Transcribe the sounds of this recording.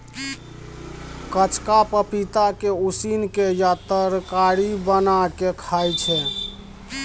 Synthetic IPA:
kət͡ʃkapəpit̪akeusinkejat̪əɾkaɾibənakekʰajt͡ʃʰɛ

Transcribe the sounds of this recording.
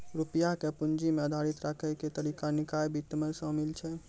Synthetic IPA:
ɾupjakepund͡ʒimeəd̪ʱaɾit̪ɾakʰəjket̪əɾikanikajbʱit̪ːəmesə̃milt͡ʃʰɛ

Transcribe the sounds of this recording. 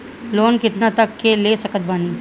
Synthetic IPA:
loːnkɪt̪nat̪ɐkːeleːsɐkət̪̚baːniː

